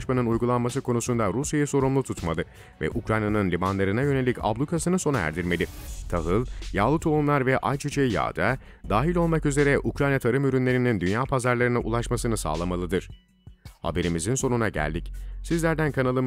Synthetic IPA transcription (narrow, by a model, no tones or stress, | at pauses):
ʃmanɯnujɡulˠanmasɯkʰo̞nusund̪aɾusjajaso̞ɾumlˠut̪ʰut̪malˠɯ | vɛ̰ʔukɾajnanɯnlʲibanlˠaɾɯnajø̞ne̞lʲica̰blˠukʰasɯnɯso̞naæ̰ɾd̪iɾme̞lʲit̪ʰaɦɯlˠjaːlˠɯt̪ʰounlˠaɾvɛʔajt͡ʃʰit͡ʃʰeija̰ːd̪a | d̪aːɦilʲo̞lˠmakyze̞ɾɛʔukɾajnat̪ʰaɾɯmyɾynlʲe̞ɾinind̪ynjaːpʰazaɾlˠaɾɯnaʔṵlˠaʃmasɯnɯsa̰ːlˠamalˠɯd̪ɯɾ̥ | ha̰be̞ɾimizinso̞nunaɟæ̰lʲd̪icsizlʲæɾd̪ænkʰanalˠɯm